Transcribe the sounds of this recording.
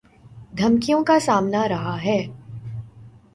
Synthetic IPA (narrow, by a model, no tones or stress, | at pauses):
d̪ʱɐmkijõkasaːmnaɾɐɦaɦɛː